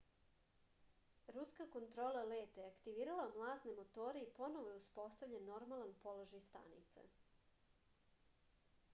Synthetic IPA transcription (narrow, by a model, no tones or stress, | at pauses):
ɾuskako̞nt̪ɾo̞ːlˠaleːt̪aakt̪iʋiːɾalamlˠaːznemo̞t̪o̞ːɾeipo̞no̞ʋojeuspo̞st̪aʋʎanːo̞ɾmalˠanpo̞lˠoʒajst̪a̰nḭt̪sa̰